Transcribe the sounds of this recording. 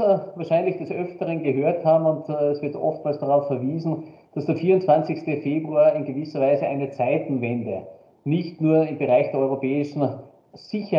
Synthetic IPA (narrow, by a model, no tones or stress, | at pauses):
vaːɐʃaɪnlɪçd̥ɛsʔœftəʁənɡəɦøːɐthaːbm̩ʊntɛsv̥ɪɐtʔɔ̰ftmaːlsd̥aʁaʊfɛɐviːzn̩ | d̥asd̥eːɐfiːɐʊntt͡sv̥ant͡sɪçstəfeːbʁuaːɪnɡəvɪsɐvaɪzəʔa̰ɪnət͡saɪtn̩vɛndə | nɪçtnuːɐɪmbəʁaɪçd̥eːɐɔʏʁopɛːɪʃn̩ | z̥ɪçə